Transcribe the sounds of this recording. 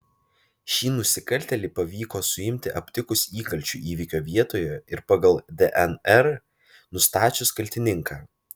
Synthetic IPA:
ʃʲiːnʊsʲɪkɐlʲt̪ʲɛlʲɪpɐʋʲiːkoːsʊɪmʲt̪ʲɪʔɐpʲt̪ʲɪkʊsiːkɐlʲt͡ʃʲṵʔiːʋʲikʲoːʋʲiɛt̪oːjɛɪɾpɐɡɐlˠd̪ʲɛʔɛnɛɾ | nʊst̪ɑːt͡ʃʲʊskɐlʲt̪ʲɪnʲɪŋkaː

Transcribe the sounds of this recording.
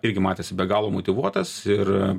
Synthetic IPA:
ɪɾʲɡʲɪmɑːt̪ʲeːsʲɪbʲɛɡɑːlˠoːmoːt̪ʲɪʋuɔt̪ɐsɪr

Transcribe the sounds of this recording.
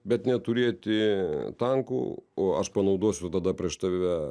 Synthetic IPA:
bʲɛt̪nʲɛt̪ʊɾʲeːt̪ʲɪt̪ɐŋkṵːoːɐʃpɐnɐʊd̪oɔsʲʊt̪ɐd̪ɐpʲɾʲiɛʃt̪ɐʋʲɛ

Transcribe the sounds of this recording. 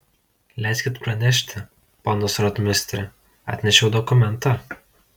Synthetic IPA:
lʲɛɪsʲkʲɪt̪pɾɐnʲɛʃ̬ʲt̪ʲɪ | ponosɾɔt̪mʲɪnʲɪsʲt̪ʲɾʲɪ | ɑ̰ːt̪ʲnʲɛʃʲɛʊd̪ɔkʊmʲɛnˑt̪ɑ

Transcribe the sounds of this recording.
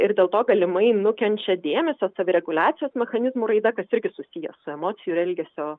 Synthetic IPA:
ɪɾd̪ʲeːlˠt̪oːɡɐlʲɪmɐɪnʊkʲɛnʲt͡ʃʲɛd̪ʲeːmʲɛsʲoːsɑːʋʲɪɾʲɛɡʊlʲaːt̪ʲɪjoːsmʲɛxɐnʲɪzmuːɾɐɪd̪ɐkɐsɪɾʲɡʲɪsʊsʲiːjɛ̰sʊɛmoːt̪sʲɪjuɾɛlʲɡʲɛsʲoː

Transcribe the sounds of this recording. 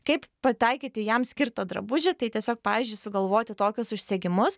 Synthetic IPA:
kɐɪppɐt̪ʲɐɪkʲɪt̪ʲɪjɛmsʲkʲɪɾt̪oːd̪ɾɐ̰bʊʒʲɪt̪ɐɪt̪ʲiɛsʲoːk̚pɑːʋʲiːzʲd͡ʒʲʊɪsʊɡɐlˠʋoːt̪ʲɪt̪oːkʲʊsʊʃʲsʲɛɡʲɪmʊs

